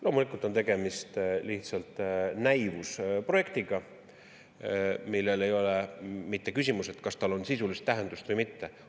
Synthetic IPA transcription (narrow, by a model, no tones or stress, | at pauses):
lʔo̞ːmulikːˑult̪ːˑont̪e̞ɡ̥e̞mist̪liht̪sɑlt̪ˑnæjvuspro̞je̞k̚t̪iɡ̥ɑ | milːe̞le̞jo̞lemit̪ːe̞kysʲimuse̞t̪kɑst̪ɑlo̞nsisulist̪ːæɦe̞nd̪ust̪vɯjmit̪ːe̞